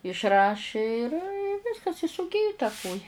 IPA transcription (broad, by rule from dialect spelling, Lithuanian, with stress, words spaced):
ɪʃˈrɑːʃʲɪ ɪr ɪ ˈʋʲɪskɐs ɪ sʊˈɡʲɪjʊ tɐ ˈkoːjɛ